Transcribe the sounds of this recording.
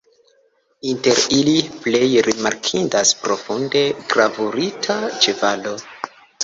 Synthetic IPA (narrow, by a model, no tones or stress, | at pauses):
inte̞ɾiliple̞jɾimaɾkʰindaspɾo̞funde̞ɡɾavuɾitʰat͡ʃevalo̞